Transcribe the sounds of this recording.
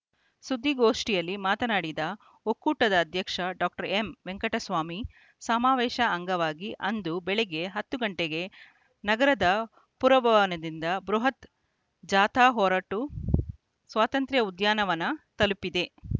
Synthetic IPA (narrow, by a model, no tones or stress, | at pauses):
sud̪ːiɡoːʂʈijɐlːimaːt̪ɐnaːɽid̪ɐ | okuːʈɐd̪ɐːd̪ʱjɐkʂɐɖaːk̚ʈɐɾemʋeŋkɐʈɐsʋaːmi | sɐmaːʋɛːʃɐːŋɡɐʋaːɡiʔɐnd̪ubɛɭeɡe̞ɦɐt̪ːuɡɐɳʈeɡe̞ | nɐɡɐɾɐd̪ɐ | puɾɐbʱɐʋɐnɐd̪ind̪ɐbɾuɦɐt̪ | d͡ʒaːt̪aːɦɔːɾaːʈu | sʋaːt̪ɐnt̪ɾjɐud̪jaːnɐʋɐnːɐt̪ɐlupːid̪e̞